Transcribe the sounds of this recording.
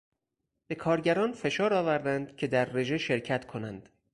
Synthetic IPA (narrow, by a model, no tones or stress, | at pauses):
b̥e̞kʰɒːɾɟæɾɒːnfe̞ʃɒːɾɒːvæɾd̪ænd̪̥cʰe̞d̪æɾːe̞ʒe̞ʃe̞ɾcʰæt̪kʰo̞nænd̪̥